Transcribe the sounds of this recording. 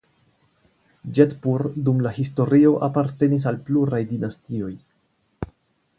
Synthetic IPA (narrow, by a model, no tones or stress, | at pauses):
d͡ʒetpuɾdumlahisto̞ɾio̞ʔapaɾte̞nis̬alpluɾajdinastio̞j